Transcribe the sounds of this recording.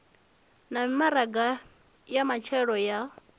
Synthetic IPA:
namimaɾaɡa | jamat͡ʃʰɛɺɔja

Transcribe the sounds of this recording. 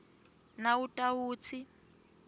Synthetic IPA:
nautʼauːt͡sʰi

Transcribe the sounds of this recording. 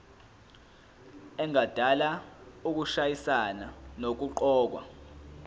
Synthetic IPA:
ɛŋad̥ʱalauk̬uʃajisananok̬uǃɔːk̬wa̰

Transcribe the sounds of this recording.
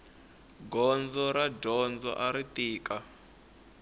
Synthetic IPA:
ɡɔnd͡zɔɾadɔnd͡zɔ̰ʔaɾitiːka

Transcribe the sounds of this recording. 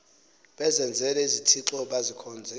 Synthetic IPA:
ɓɛzɛnd͡zʱɛlɛizitʰiǁɔɓazikʰɔːnd͡zʱɛ

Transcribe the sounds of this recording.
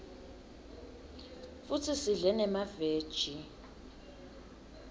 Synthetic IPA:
futʰisiɮɛnɛmaveːd̥ʒ̥ʱi

